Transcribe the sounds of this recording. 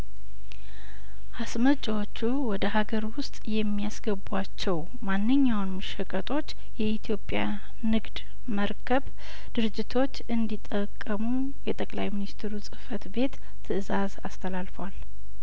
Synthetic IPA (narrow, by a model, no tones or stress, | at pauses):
hasmət͡ʃʼawot͡ʃːuwɔd̪əɦaɡəɾwʊst̪ʼjɛmːijasɡəbwat͡ʃːɛw | manːɨɲːawnmɨʃəkʼət̪ʼo̞t͡ʃː | jɛit̪ʰijo̞pʼja̰ | nɨɡd̪ | məɾkʰəβ | d̪̥ɨɾɨd͡ʒːɪt̪ʰo̞t͡ʃːɨnd̪it̪ʼːəkʼːəmu | jɛt̪ʼəkʼlajminist̪ʰeɾusʼɨfət̪be̞t̪ʰː | ɨɨzaza̰st̪ʰəlalfəwal